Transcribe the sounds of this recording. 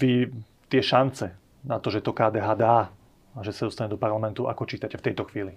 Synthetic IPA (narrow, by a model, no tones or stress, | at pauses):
ʋi | t̪ɪɛʃant͡sɛ | nat̪ɔʒɛt̪ɔkaːd̪ɛːɦaːd̪aː | aʒɛsad̪ɔst̪aɲɛd̪ɔpaɾlamɛnt̪uʔa̰kɔt͡ʃiːt̪acɛft̪ɛjt̪ɔxʋiːli